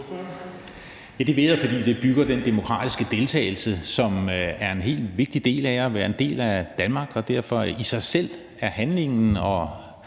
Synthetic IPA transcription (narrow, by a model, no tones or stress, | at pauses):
jæd̥eʋe̝ðˠɐfɒd̥ḭːd̥e̝b̥yɡ̥ɐd̥end̥e̝mo̝kʰʁɑ̰̈ːd̥isɡ̥əd̥e̝lt͡sʰɛ̰ːɪl̩səsɒ̽mæɐe̝nɦe̝̰ːldʋe̝ɡ̥̚d̥id̥e̝̰ːlæjʋæːɐe̝nde̝̰ːlæd̥ænmɑ̈ːɡ̥ɒ̽d̥æɐ̰fɒ̽isɑ̈ɪsel̰ | æɐhænle̝ŋn̩ɒ̽